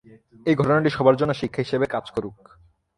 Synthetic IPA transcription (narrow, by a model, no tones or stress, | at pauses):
ejɡʱɔʈonaʈiʃɔbʱaɾd͡ʑonːoʃikʰːaɦiʃebekad͡ʑkoɾuk̚